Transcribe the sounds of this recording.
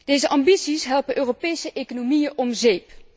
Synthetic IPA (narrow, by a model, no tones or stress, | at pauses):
d̥ejzəʔɑmbitsisɦɛlˠpəʔøːropejsəʔekonomijəʔɔmzejp